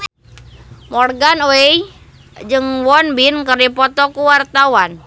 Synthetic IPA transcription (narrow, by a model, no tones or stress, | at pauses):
mɔrɡanoej | d͡ʒɨŋwɔnbinkəripɔt̪ɔkuwart̪awan